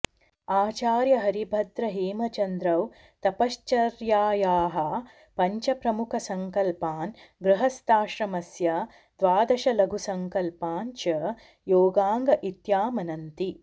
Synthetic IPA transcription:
aːt͡ʃaːɾjɐɦɐɾibʱɐd̪ɾɐɦiːmɐt͡ʃɐnd̪ɾɐw | t̪ɐpɐʃt͡ʃɐɾjaːjaːɦɐ | pɐɲt͡ʃɐpɾɐmukʰɐsɐŋkɐlpaːn | ɡɾuɦɐst̪aːʃɾɐmɐsjɐ | d̪̥ʋaːd̪ɐʃɐlɐɡʱusɐŋkɐlpaːnt͡ʃɐ | joːɡaːŋɡɐʔit̪jaːmɐnɐnt̪i

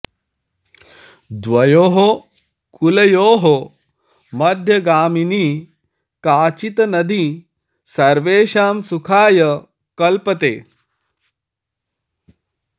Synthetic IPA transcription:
d̪ʋɐjoːɦo | kulɐjoːɦo | mɐd̪ʱjɐɡaːminiː | kaːt͡ʃit̪ɐnɐd̪i | sɐɾʋeːʃaːmsukʰaːjɐ | kɐlpɐt̪ḛː

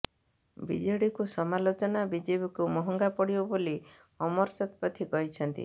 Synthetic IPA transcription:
bḭd͡ʒɔɽikusɔmalot͡ʃɔnabid͡ʒebikumɔɦɔŋɡapɔɽibɔboli | ɔmɔɾsat̪ʰpɔt̪ʰikɔɦit͡ʃʰɔnt̪ḭ

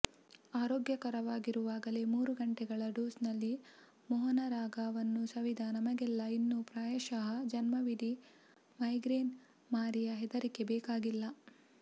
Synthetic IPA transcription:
aːɾoːɡjɐkɐɾɐʋaːɡiɾuʋaːɡɐle̞muːɾuɡɐɳʈɛɡɐɭɐɖuːsnɐlːi | mɔɦɐnɐɾaːɡaːʋɐnːusɐʋid̪ʱaːnɐmɐɡɛlːɐinːupɾaːjɐʃaɦɐd͡ʒɐnmɐʋid̪i | mɐjɡɾeːn | maːɾijɐɦɛd̪ɐɾike̞bɛːkaːɡilːɐ

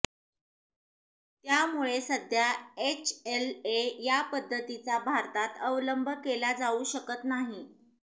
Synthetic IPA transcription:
t̪jamuɭesəd̪ʱjaet͡ɕʰelejapəd̪ʱːət̪it͡sabʱaɾt̪at̪əʋləmbʱəkelad͡zauɕəkət̪naɦi

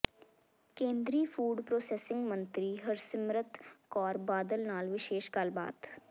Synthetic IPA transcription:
kẽːnd̪ɾiːfʰuːɖpɾoːseːsɪ̃ŋɡmə̃nt̪ɾiɦəɾsɪmɾət̪kɔːɾbaːd̪əlnaːlʋɪʃeːʃkaːlba̰ːd̪

